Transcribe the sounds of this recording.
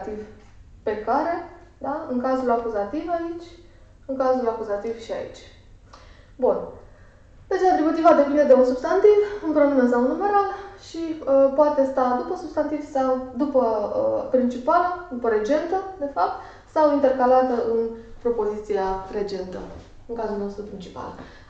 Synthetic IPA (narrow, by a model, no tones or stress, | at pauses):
t̪iv | pe̞kaɾe̞ | d̪aɨŋkazulakuzat̪ivait͡ʃʲ | ɨŋkazulakuzat̪ivʃia̰ḭt͡ʃʲ | bun | p̪et͡ʃat̪ɾibut̪ivad̪e̞pind̪e̞d̪e̞unsub̥st̪ant̪ivɨŋkɾomɨnəsawnume̞ɾalʃiəpoat̪e̞st̪ad̪upəsub̥st̪ant̪iv̥sawd̪upəəpɾint͡ʃipaləd̪upəɾe̞d͡ʒe̞nt̪əd̪e̞fap̚t̪ | sawint̪e̞rkalat̪əʔɨnpɾo̞po̞zit̪siare̞t͡ʃe̞nt̪ə̰ | ɨŋkazulno̞st̪ɾupɾint͡ʃi̥pa̰l